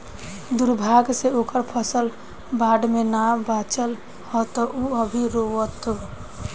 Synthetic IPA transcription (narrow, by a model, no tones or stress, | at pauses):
d̪uɾbʱaɡseokəɾpʰəsəl | baɖmenabat͡ʃəl | hɔt̪ɔʔuəbʱiɾoət̪